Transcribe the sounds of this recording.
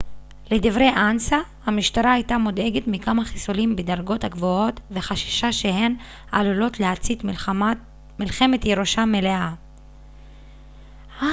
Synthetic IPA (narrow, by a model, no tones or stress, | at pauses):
led̪ivʁejʔansahamiʃt̪aɾaajtamod̪e̞ɡet̪mikamaχisolimbed̪aɾɡo̞thaɡvoo̞t̪ve̞χaʃi̥ʃaʃehe̞n | alulo̞tleat͡sit̪ | milχe̞me̞t̪jeɾoʃame̞le̞a | a